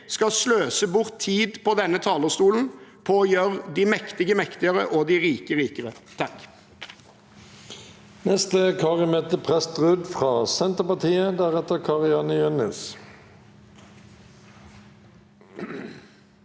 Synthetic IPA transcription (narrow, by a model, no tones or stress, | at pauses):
skɑsløːsəbʊʁt̪ʰːiːd̪pʰɔd̪ɛnːət̪ʰɑːləʁst̪uːln̩pʰoːjøʁd̪iːmɛkt̪ɪɡəmɛkt̪ɪəʁə̰ʔod̪iːʁiːkəʁiːkəʁət̪ʰɑk | nɛst̪əkʰɑːʁɪmeːt̪əpʰʁɛst̪ʁʉd̪fʁɑːsɛnt̪əpɑt̪ʰiːəd̪æʁɛt̪əkʰɑʁɪɑːnəjʉnɛ̰s